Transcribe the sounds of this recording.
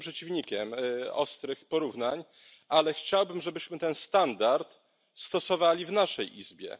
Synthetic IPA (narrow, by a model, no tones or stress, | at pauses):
pʂɛt͡ɕivɲikʲɛmɔ̰st̪ɾɘxpɔɾuvnaɲ | ʔalɛxt͡ɕawbɘmʐɛbɘɕmɘt̪ɛnst̪and̪aɾt̪ | st̪ɔsɔvalʲivnaʂɛjʔizbʲjɛ̰